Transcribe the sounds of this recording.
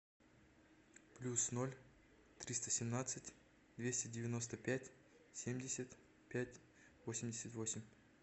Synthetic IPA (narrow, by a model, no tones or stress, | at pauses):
plʲusno̞lʲ | t̪ɾʲist̪əsʲɪmnat̪sɨtʲ | d̪vʲesʲtʲɪdʲɪvʲɪno̞s̬t̪əpʲætʲ | sʲe̞mʲdʲɪsʲət̪ | pʲætʲ | vo̞sʲɪmʲdʲɪsʲət̪vo̞sʲɪmʲ